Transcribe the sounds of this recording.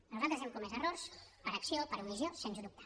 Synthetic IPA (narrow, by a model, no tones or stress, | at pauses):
nuzalˠt̪ɾəzɛmkumezərorspəɾəksiopəɾumiziosensəðup̚t̪ʰḁ